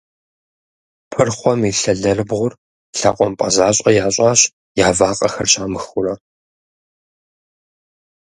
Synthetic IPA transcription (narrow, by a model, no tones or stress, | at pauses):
pʰɨrχʷɔmiɬɐɮɐrɨbʁʷʊr | ɬa̰qʷʼɔmpʼɐzaːɕʼɐjaːɕʼaːɕ | jaːvaːqʼɐxɐ̰rɕaːmɨxʊrɐ